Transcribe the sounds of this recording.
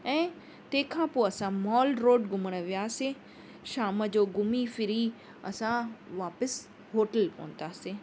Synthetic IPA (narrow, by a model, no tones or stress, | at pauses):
ɛ̃ː | t̪ẽːkʰãpoɐsãmɔːlɖɾoːɖɡʱʊməɽ̃əʋijaːse | ʃaːməd͡ʑoːɡʊmifɪɾi | ɐ̰sãʋaːpəs | ɦoːʈəlpɐ̰ːə̃nt̪aːse